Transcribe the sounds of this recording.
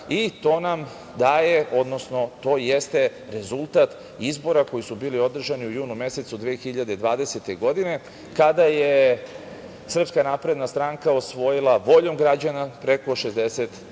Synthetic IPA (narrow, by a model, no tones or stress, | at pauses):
it̪o̞ːnam | d̪aːje̞ʔo̞d̪no̞sno̞t̪o̞ːjest̪e̞ | ɾe̞zulˠt̪at̪ | izbo̞ɾako̞jisubiːlio̞d̪r̩ʒaniujuːnume̞se̞t̪sud̪ʋeːxiʎad̪e̞d̪ʋaːd̪e̞set̪e̞ɡo̞d̪ine̞ | kad̪aje | sr̩pskanaːpɾe̞d̪nast̪ɾaŋkaosʋo̞jilˠaʋo̞ʎo̞mɡɾad͡ʑanapɾe̞ko̞ʃe̞zd̪eset̪